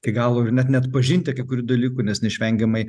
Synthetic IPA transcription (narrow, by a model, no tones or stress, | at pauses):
ɐɪɡɑːlˠoːrnʲɛt̪nʲɛɐt̪pɐʒʲinʲt̪ʲɪɐkʲɪkʊɾʲuːd̪ɐlʲiːkunʲɛsnʲɛɪʃʲʋʲɛŋʲɡʲɛmɐɪ